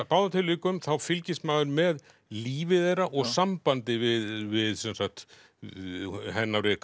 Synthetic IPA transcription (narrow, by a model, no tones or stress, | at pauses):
paːwðat̪ʰɪlːʏːkʏmθawfɪlcɪst̪maːɣʏɾmɛð | liːvɪðejɾaʔɔɣsampant̪ɪvɪðvɪðsɛnsak̚t̪ | ɦɛnːaɾɪk